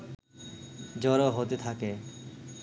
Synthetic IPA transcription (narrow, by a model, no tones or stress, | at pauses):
d͡ʑɔɾoɦot̪et̪ʰake